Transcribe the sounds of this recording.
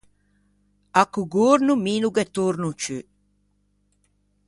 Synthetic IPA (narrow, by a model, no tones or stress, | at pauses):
akːuɡoɾnumiːnuɡɛt̪oɾnut͡ʃø